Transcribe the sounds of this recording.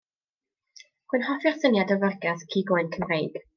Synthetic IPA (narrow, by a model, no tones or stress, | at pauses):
χʊnhɔfɪrsənjadəvərɡaθkʰiːɡoːɨnkʰəmrejɡ̥